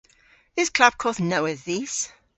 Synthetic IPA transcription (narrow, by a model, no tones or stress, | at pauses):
ðɪz̥kʰl̥ab̥̚kʰɔθnəʊəzðis